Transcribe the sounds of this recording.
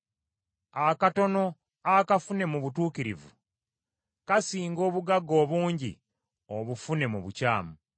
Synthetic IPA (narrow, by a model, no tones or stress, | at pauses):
akato̞no̞ | akafune̞muβutuːkiɾḭvṵ | kasiːŋɡo̞ːβuɡaɡo̞ːβuːɲɟḭ | oβufune̞muβucaːmu